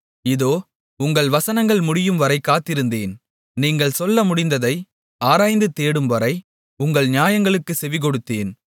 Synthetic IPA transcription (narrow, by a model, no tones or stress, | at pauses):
ɪðoː | ʊŋɡɐɭʋɐsɐnɐŋɡɐɭmʊɽɪjɯmʋɐɾɐɪkːaːt̪ːɪɾɯnd̪eːn | niːŋɡɐɭsɔlːɐmʊɽɪnd̪ɐðɐɪ | aːɾaːjnd̪ɯt̪eːɽɯmʋɐɾɐɪ | ʊŋɡɐɭɲɪjaːjɐŋɡɐɭɯkːɯsɛʋɪk̬ɔɽɯt̪ːeːn